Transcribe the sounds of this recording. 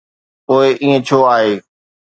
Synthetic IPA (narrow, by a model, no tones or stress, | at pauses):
poːɪʔiːẽt͡ɕʰoːaːɦeː